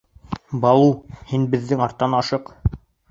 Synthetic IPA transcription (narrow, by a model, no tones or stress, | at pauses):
bɑlˠuhinbɘ̆ðːɘŋɑɾt̪ːɑnɑʃɤq